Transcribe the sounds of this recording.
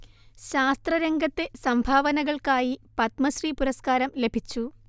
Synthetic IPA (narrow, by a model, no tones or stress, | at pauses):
ɕaːst̪rɐɾeŋɡʱɐt̪ːe̞sɐmbʱaːʋɐnɐɣɐɭkaːjipɐt̪mɐɕripuɾɐskaːɾɐmle̞bʱit͡ɕːu